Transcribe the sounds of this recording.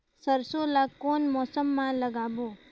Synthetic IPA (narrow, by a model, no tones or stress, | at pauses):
səɾsolakːonmɔsəmːãləɡaʋo